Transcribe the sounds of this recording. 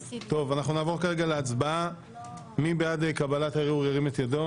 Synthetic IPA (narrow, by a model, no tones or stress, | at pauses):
t̪o̞vanaχnunaːvo̞kaʁe̞ɡaleat͡sbaa | mibejadekabalat̪aʁeuʁeʁimet̪jado̞